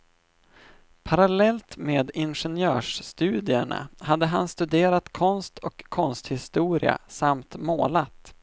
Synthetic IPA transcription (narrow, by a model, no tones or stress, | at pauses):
pʰaɾalɛlt̪meːd̪ɪnɧɛnjœːʂst̪ʉ̟ːd̪ɪəɳa̰had̪ːəɦanst̪ɵd̪eːɾat̪kʰɔnst̪ʰɔkʰːɔnst̪hɪst̪uːɾɪ̰a̰samt̪moːlat̪